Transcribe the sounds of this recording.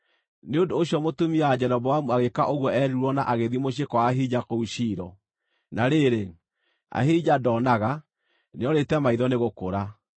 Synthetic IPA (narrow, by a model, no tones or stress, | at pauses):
neondoːɕjɔmotumiad͡ʑɛɾɔbɔwamuaɣekaʔoɣwɔɛɾiɾwɔnaʔaɣeðimoɕ̬ekɔwaɦid͡ʑakouɕiːɾɔ | naɾeɾe | a̰hid͡ʑadɔːnaɣa | neɔɾetɛmaiðɔneɣokoɾa